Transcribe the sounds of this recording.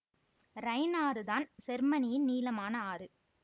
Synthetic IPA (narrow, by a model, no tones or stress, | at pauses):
ɾɐɪnaːɾɯðaːnsɛɾmɐnɪjɪnniːlɐmaːnɐaːɾɯ